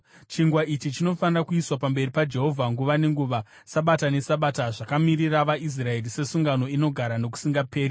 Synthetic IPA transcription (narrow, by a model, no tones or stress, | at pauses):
t͡ʃiŋɡwaʔit͡ʃit͡ʃino̞fanirakuiswapambe̞ripad͡ʒe̞ɦo̞vʱaŋɡuʋane̞ŋɡuʋa | saɓatane̞saɓataʐakamiriraʋais̬rae̞rise̞suŋɡano̞ino̞ɡʱaɾano̞ku̥siŋɡape̞ːɾi